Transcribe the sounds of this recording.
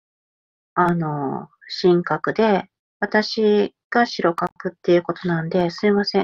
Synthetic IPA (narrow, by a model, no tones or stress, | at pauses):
ano̞ | ɕĩŋkakɯ̟d̪e̞ | βat̪aɕiɡ̥aɕiɾo̞kapɯ̟t̪ːe̞jɯ̟ko̞t̪o̞nãnd̪e̞sɨimasẽ̞